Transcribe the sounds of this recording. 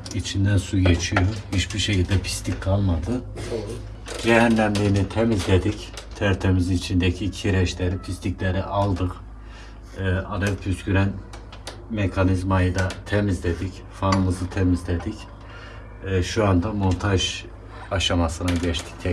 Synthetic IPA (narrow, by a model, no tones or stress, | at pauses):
it͡ʃʰind̪ænsujet͡ʃʰijohit͡ʃbiʃecʰilʲd̪ɛpʰi̥st̪ʰickʰalˠmad̪ɯ | d͡ʒɛɦænːæmlʲiːnit̪ʰemizlʲed̪ic | t̪ʰæɾt̪ʰemizinit͡ʃʰind̪ɛcʰicʰiɾɛʃlʲeɾipʰist̪ʰicʲlʲeɾiʔalˠd̪ɯq | ad̪apʰyskyɾæn | mekʰanizmajɯd̪at̪ʰemizlʲed̪ic | fanɯmɯzɯt̪ʰemizlʲed̪ic | ʃuand̪amo̞nt̪ʰaʒ | aʃamasɯnaɟɛt͡ʃt̪ʰi̥c̚t̪ʰɛ